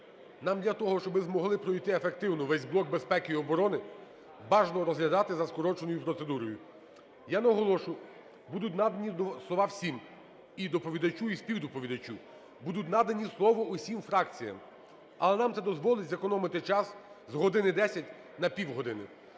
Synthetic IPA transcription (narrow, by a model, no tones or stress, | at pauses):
nɑmd̪lʲɐt̪ɔɦɔʃt͡ʃɔbɪzmɔɦlˠɪpɾɔjt̪ɪefek̚t̪ɪwnɔʋɛzʲblˠɔk̚be̞spɛkɪiɔbɔɾɔnɪ | bɑʒnɔɾɔzɦlʲɐd̪ɑt̪ɪzɐskɔɾɔt͡ʃenɔjʊpɾɔt̪sed̪uɾɔjʊ | janɐɦɔlˠɔʃʊ | bud̪ʊtʲnɑd̪ɐnʲislˠɔʋɑwsʲim | id̪ɔpɔʋʲid̪ɐt͡ʃuispʲiwd̪ɔpɔʋʲid̪ɐt͡ʃʲu | bud̪ʊt̬̚ʲnɑd̪ɐnʲislˠɔʋɔusʲimfɾɑkt͡sʲijɐ̰m | ɐ̰lˠɛnɑmt̪sɛd̪ɔzʋɔlˠɪtʲzekɔnɔmɪt̪ɪt͡ʃɑs | zɦɔd̪ɪnɪd̪ɛsʲɐtʲ | nɐpʲiwɦɔd̪ɪnɪ